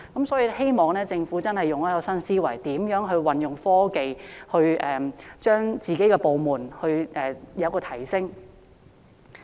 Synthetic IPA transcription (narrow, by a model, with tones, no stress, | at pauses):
kɐ˨˥msɔː˨˥jiː˧he˥jmɔː˨ŋnɛː˥t͡sɪ˧ŋfuː˨˥t͡sɐ˥nɦɐ˨jːʊ˨ŋɐː˥kɔː˧sɐ˥nsiː˥wɐ˨˩jt̪iː˨˥mjœː˨˥ŋɦɵ˧ɥwɐ˨njʊ˨ŋfɔː˥ke˨jhɵ˧ɥʔɛː˨t͡ʃœː˥ŋt͡siː˨ke˨˥jkɛː˧po˨wmuː˨˩nhɵ˧ɥʔɛː˨jɐ˨˧wkɔː˧t̪ʰɐ˨˩jsɪ˥ŋ